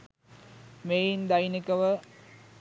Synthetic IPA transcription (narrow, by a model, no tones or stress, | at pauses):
mejind̪ajnikəʋə